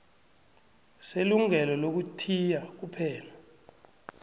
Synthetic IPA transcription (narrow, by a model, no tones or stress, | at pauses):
seluŋɛlɔlok̬utʰijak̬upʰɛːla